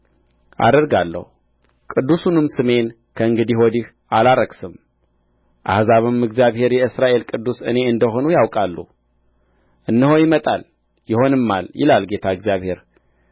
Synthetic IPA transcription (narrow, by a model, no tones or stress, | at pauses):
ʔa̰d̪əɾɡalːə̰hu | kʼɨd̪ːusunɨmsɨme̞n | kʰəɨŋɡɨd̪ihwɔd̪ih | alaɾəɡsɨm | ʔa̰hzaβɨmɨɡzjaβhe̞ɾjɛɨsɾaʔe̞lkʼɨd̪ːusɨne̞ɨnd̪əɦo̞nujawkʼalːṵ | ʔɨnːɨho̞jɪmət̪ʼal | jɪho̞nɨmːaljɪ̰lalɡe̞t̪ʰaɨɡzijaβhe̞ɾ